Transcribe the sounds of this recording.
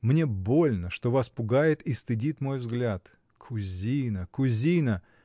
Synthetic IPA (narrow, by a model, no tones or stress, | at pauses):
mnʲe̞bo̞lʲnəʂt̪o̞vaspʊɡajɪt̪ist̪ɨdʲit̪mo̞jvzɡlʲat̪ | kʰʊzʲijnəkʊzʲinə